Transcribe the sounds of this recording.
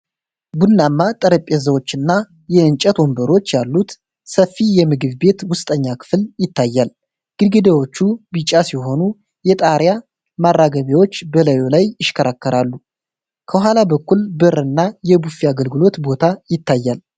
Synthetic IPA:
bunːamːat̪ʼəɾəpʼːezəwo̞t͡ʃːɨnːa | jɛɨnt͡ʃʼət̪wo̞mbəɾo̞t͡ʃːjalːut̪ | səfːijɛmɨɡɨβbe̞t̪wʊst̪ʼəɲːakʰɨ̥fljɪt̪ʰːajːal | ɡ̥ɨlɡɨd̪ewo̞t͡ʃːubit͡ʃʼasiɦo̞nu | jɛt̪ʼaɾja | marːaɡəβiwo̞t͡ʃːbələjo̞lajɪʃkʰəɾakːəɾalːu | kʰəhʷalabəkːulbɨrɨnːajɛbufiaɡəlɡɨlo̞t̪bo̞t̪ʰajɪt̪ːajːal

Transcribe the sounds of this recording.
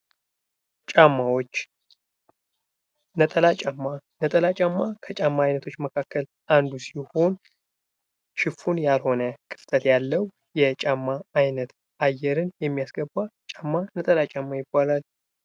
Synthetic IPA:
t͡ʃʼamːawo̞t͡ʃː | nət̪ʼəlat͡ʃʼamːanət̪ʼəlat͡ʃʼamːakʰət͡ʃʼamːaajnət̪ʰo̞t͡ʃːməkʰakʰːəl | ʔand̪usiho̞n | t͡ʃɪfunjalho̞nəkʰɨ̥ft̪ʰət̪jalːəw | jɛt͡ʃʼamːaajnət̪ | ʔajːɛɾɨnjɛmːijasɡəbːat͡ʃʼamːanət̪ʼəlat͡ʃʼamːajɪbːalal

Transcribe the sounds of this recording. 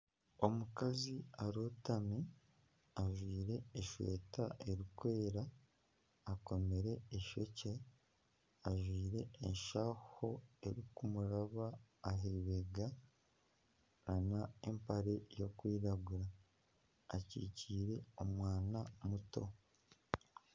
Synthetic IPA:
o̞mukaziaɾotami | aʒwiːɾe̞ːʃwḛːtaʔe̞ɾikwe̞ːɾaː | ko̞me̞ɾe̞ːʃo̞ce | aʒwiːɾe̞ːnʃaho̞e̞ɾikumuɾaβaːɦeβeɡa | ɾanaḛmpaɾe̞jo̞kwiːɾaɡuɾaː | cḭːciːɾe̞omwaːnamuto̞

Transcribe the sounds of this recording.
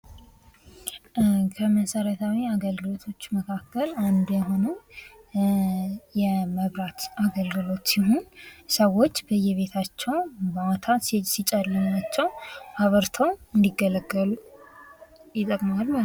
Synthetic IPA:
kʰəməsəɾat̪ʰawiaɡəlɡɨlo̞t̪ʰo̞t͡ʃːməkʰakːəland̪jɛɦo̞nəw | jɛməβɾat̪aɡəlɡɨlo̞t̪siɦonsəwo̞t͡ʃːbəjːɛβe̞t̪ʰat͡ʃːɛwbəwat̪ʰasit͡ʃʼalːəmat͡ʃːɛwhaβəɾt̪ʰəwɨnd̪iɡələɡəlu | jɪt̪ʼːəkʼmalm

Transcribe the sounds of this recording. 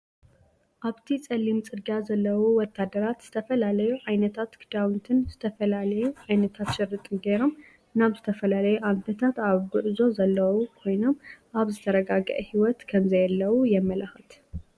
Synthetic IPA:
ʔaβt̪ʰit͡sʼɐlimt͡sʼɨɡazɐlːɐwuwɔt̪ʰːad̪ɐɾat̪z̥ɨt̪ʰɐfɐlalɐjuʕajnɐt̪ʰat̪kʰɨd̪awnt̪ʰɨnzɨt̪ʰɐfɐlalɐjuʕajnɐt̪ʰat̪ʃɪɾːɨt̪ʼɨnɡeɾo̞m | naβzɨt̪ʰɐfɐlalɐjuʔant̪ʰɐt̪ʰat̪aβɡɨʔzo̞zɐlːɐwukʰo̞jno̞mʔaβzɨt̪ʰɐɾɐɡaɡɐ̰ʔhiwɔt̪kʰɐmzɐjɐlːɐwujɛmːɐlɐxɐt̪

